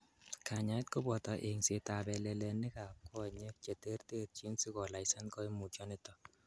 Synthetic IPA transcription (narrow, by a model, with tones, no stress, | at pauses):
kʰa˨ɲa˨˦t̚ko˦bɔ˨tɔ˨ʔe˨ŋse˨ta˨bɛ˨lɛ˨le˨nɪ˦ka˨p̚kɔ˦˨ɲe˦k̚t͡ʃe˨te˦rte˦t̚t͡ʃi˦nsi˦kɔ˨la˨jsɛ˦nkɔ˦i˦mu˨t͡ʃɔ˦nɪ˦tɔ˨